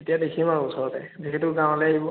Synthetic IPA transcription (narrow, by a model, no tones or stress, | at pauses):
etijadekʰimaɹuɔsɔɹɔtɛ̰zikʰitʊɡãw̃lɛɦibɔ